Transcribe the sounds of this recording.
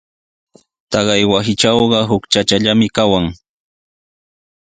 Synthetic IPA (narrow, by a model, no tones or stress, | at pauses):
t̪ɑɢɑjwasɪt͡ʃawɢɑɦʊkt͡ʃat͡ʃaʎamɪkawaŋ